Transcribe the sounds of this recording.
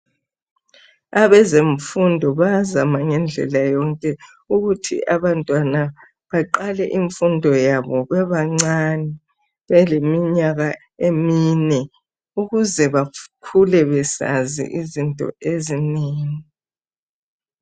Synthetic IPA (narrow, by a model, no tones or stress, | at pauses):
aβɛzeɱfundʱɔβazamaŋɛnd͡ɮʱɛ̰lajɔŋkʼɛ | uɣutʰḭʔaβantʼwana | βaǃalɛʔiɱfundʱɔjaβɔβɛβaŋ͡ǀanɛ | βɛlemiɲaɣa | eminɛ | uɣuzɛβakʰulɛβɛsa̰zḭʔizintʼɔ̰ezineːŋi